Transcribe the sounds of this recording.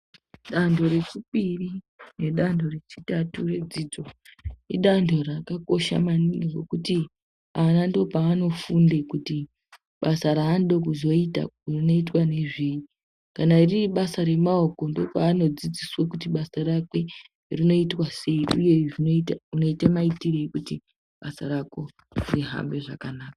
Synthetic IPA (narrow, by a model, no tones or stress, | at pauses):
ɗandʰʱo̞ɾe̞t͡ʃipiri | ne̞ɗandʰʱo̞re̞t͡ʃi̥tature̞d͡zid͡zoḭɗandʰʱo̞rakako̞ʃa̰maniŋɡeɡo̞̰kuti | anandopaːno̞fundekuti | ɓasaɾaːnɗo̞kuzo̞ita̰rino̞itwane̞ʐiːji | kanairiiɓasaɾe̞maoko̞ndiopaːno̞d͡zid͡ziswokutiɓasarakwe̞ | rino̞itwase̞iuje̞ʐinoitauno̞itamaitireikuti | ɓasaɾako̞ | riɦa̰mbe̞ʐakanaːkḁ